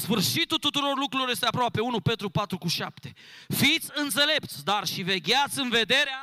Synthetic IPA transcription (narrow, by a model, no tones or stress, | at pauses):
sfɨrʃit̪ut̪ut̪uɾo̞rlukɾuloje̞st̪eapɾoape̞unupe̞t̪ɾupat̪ɾukuʃapt̪e̞fit̪sʲɨnt̪se̞le̞p̚t̪sʲd̪arʃive̞ɡʲat̪sʲɨnve̞d̪e̞ɾea